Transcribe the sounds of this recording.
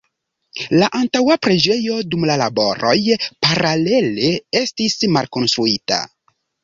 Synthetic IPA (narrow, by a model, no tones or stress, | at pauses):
laʔantawapɾe̞d͡ʒe̞jo̞dumlalabo̞ɾo̞jpaɾale̞le̞e̞stismalko̞nstɾuita̰